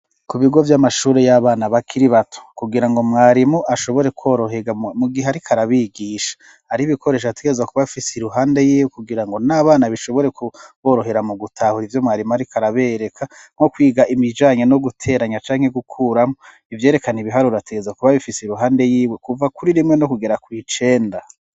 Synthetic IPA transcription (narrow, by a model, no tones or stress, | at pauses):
kuβiɡo̞vjamaʃuːɾe̞jaβaːnaβakʰiɾiβatʰu̥kuɡiɾaŋɡo̞mŋaːɾimuʔaʃo̞βo̞ɾe̞kwoɾoɦeɡamuɡiɦeaɾikʰaɾaβiɡiːʃḁ | haɾiβikʰo̞ɾe̞ːʃ̬atuɡezakuβafiseiɾuɦaːnde̞jiːwekuɡiɾaŋɡo̞naːβaːnaβiʃo̞βo̞ɾe̞kuβo̞ːɾo̞ɦe̞ɾamuɡutʰahuɾivjo̞mŋaːɾimuaɾikʰaɾaβeɾe̞kʰaŋ̥o̞kwiːɡaʔimid͡ʒaːɲeno̞ɡutʰe̞ːɾaɲat͡ʃaːŋ̥he̞ɡukʰuːɾamo | ivje̞ːɾe̞kaniβiɦaɾuɾateɡe̞zakuβaβifiseiɾuɦaːnde̞jiːwekuvakuɾiɾimŋe̞no̞kuɡe̞ɾakwit͡ʃe̞ːnda